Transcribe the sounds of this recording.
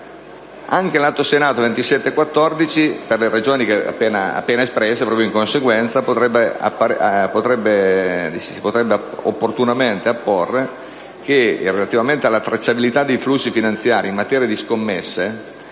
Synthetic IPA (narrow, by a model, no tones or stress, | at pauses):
aŋkelat̪ːosenaːt̪ovent̪isɛt̪ːekwat̪ːɔrd̪it͡ʃiperleɾed͡ʒoːnik̟ea̰pːeːna̰a̰pːeːnaespɾɛsːepɾɔːpjoiŋkonseɡwɛnt̪sapot̪ɾɛbːea̰pːaɾpot̪ɾɛbːed̪isisi̥pot̪ɾɛbːeao̰pːort̪unament̪eapːorːe | k̟erelat̪ivament̪ealːat̪ɾat͡ʃːabilit̪ad̪ːejflusːifinant̪sjaːɾʔiːmːat̪ɛːɾijad̪iskomːesːe